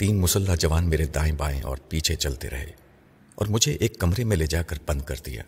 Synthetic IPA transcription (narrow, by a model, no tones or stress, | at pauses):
t̪iːnmʊsəlːaɦd͡ʒɐʋaːnmeːɾed̪aːẽbaːḛ̃ʔɔ̰ːɾpiːt͡ʃʰet͡ʃɐlt̪ḛɾɐ̰ɦḛː | ɔ̰ːɾmʊd͡ʒʱeʔeːkːɐmɾemẽled͡ʒaːkɐɾb̥ɐ̃nd̪̚kɐɾd̪ija̰ː